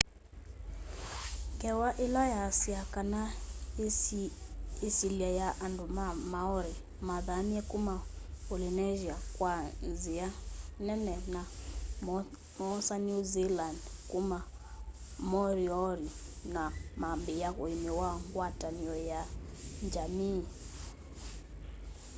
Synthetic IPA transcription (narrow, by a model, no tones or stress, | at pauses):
ŋɡɛwaʔelajasiakana | esiliajaʔandumamaɔɾi | maðamiɛkumaolinɛʒiakwanzianɛnɛna | mɔsaniuzilandkuma | mɔɾiɔɾinamambejaoimewaŋɡwataniɔjaɲd͡ʒami